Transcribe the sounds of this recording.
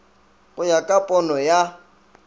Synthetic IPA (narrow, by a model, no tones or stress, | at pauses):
ɣʊjakʼapʼɔnɔja